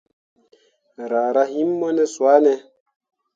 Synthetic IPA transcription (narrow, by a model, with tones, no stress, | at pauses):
ɾa˨ɾa˦hi˦mːo˦nɛ˦swa˦nɛ˦